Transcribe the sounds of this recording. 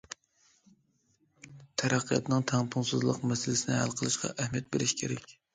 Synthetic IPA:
t̪ʰæɾæqʰːijɑ̰t̪nɨŋt̪ʰæŋpʰunsɨzlˠəqmɛsɪlɪsɪnɪhæ̰lqʰəlˠɨʃqʰɑ̰ʔæhmijɛt̪̚beɾɪʃkʲʰeɾɛkʲ

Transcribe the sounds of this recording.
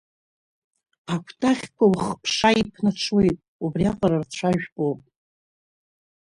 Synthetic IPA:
akʷʰtʼaχʲkʷʰawχpʰʂaipʰnat͡ʃʷʰwejtʼubriaqʼaɾart͡ɕʷʰaʒᶣpʼopʼ

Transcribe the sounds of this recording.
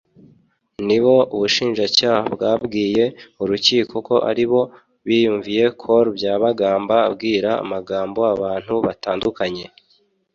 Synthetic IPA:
niβo̞uβuʃiːnʒacaːhabɡaːbɡiːje̞uɾuciːkʰo̞ko̞ʔa̰ɾiβo̞ | βiːjuːɱvije̞kʰoɾbjaːβaɡaːmbaːb̚ɡiːɾa̰ːmaɡaːmbo̞aβaːn̥huβataːndukaɲe̞

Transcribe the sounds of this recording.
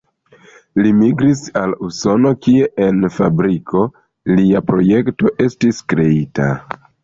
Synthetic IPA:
limiɡɾisaluso̞no̞kie̞ʔenfabɾikʰo̞ | liapɾoje̞kto̞ʔe̞stiskɾe̞ita̰

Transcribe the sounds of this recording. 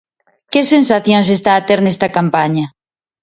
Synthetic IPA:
kɪsẽnsaθjõŋs̬est̪aːt̪eɾnɛst̪ɐkampaɲɐ

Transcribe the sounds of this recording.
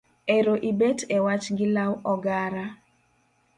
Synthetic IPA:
eɾoʔibetewat͡ʃɡɪlawɔɡaɾa

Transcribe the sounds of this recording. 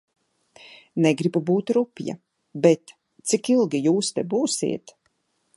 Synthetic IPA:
nɛɡɾibubuːt̪ɾupʲja̰ | bɛt̪ | t̪sikilˠɡijuːst̪ɛbuːsḭːɛt̪

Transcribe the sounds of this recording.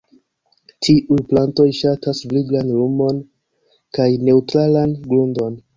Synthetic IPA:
tʰiʔujplanto̞jʃatasbliɡlanɾumo̞n | kajne̞utɾalanɡɾundo̞n

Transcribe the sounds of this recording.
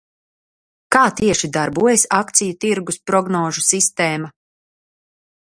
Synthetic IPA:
kaːt̪iɛʃid̪aɾbuɔjɛsakt̪sijut̪iɾɡuspɾɔɡnɔːʒusist̪ɛːma

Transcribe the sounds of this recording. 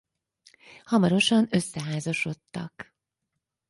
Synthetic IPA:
hɒmɒɾo̞ʃɒnø̞sːɛɦaːzɒʃo̞t̪ːɒk

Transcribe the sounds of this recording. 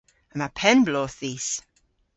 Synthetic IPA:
əmapʰɛnbloːθðiːs

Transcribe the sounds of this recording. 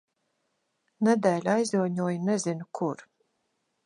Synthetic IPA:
nɛd̪æːlʲajzuɔɲuɔjnɛzinukʰuɾ

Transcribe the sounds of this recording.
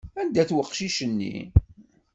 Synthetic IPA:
ænd̪æθwəqːʃiʃənːḭ

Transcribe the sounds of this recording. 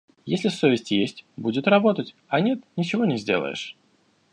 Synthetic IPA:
jesʲlʲɪsovʲɪsʲtʲjesʲtʲbudʲɪt̪rɐbo̞t̪ətʲ | ɐnʲe̞t̪nʲɪt͡ɕɪvo̞nʲɪzʲdʲe̞̰lˠə̰jɪ̰ʂ

